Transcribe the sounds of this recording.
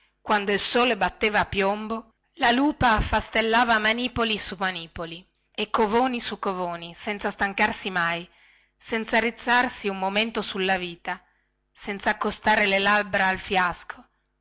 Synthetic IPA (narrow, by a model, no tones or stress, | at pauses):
kwand̪oilsoːlebat̪ːeːvaːpːjombo | laluːpafast̪elːaːvamaniːpolisumaniːpoli | ekːovoːnisukːovoːnisɛnt̪sast̪aŋkarsimaj | sɛnt̪sarit̪sːarsiummoment̪osulːaviːt̪a | sɛnt̪saːkːost̪aːɾelelabɾaalfjaskʰo